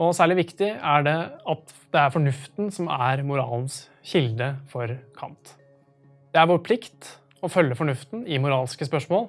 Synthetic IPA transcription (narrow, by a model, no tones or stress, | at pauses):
ɔsæːɭɪʋɪkt̪ɪæɖɛɑt̪ | d̪ɛæɾfɔɳʉft̪nsɔmæɾmʊɾɑ̰ːlns | çɪld̪əfɔɾkʰɑ̰nt̪ | d̪̥ɛæɾʋoːɾpʰlɪkt̪ | ɔfœlːəfɔɳʉft̪n̩ɪmʊɾɑːlskəspœʂmoːl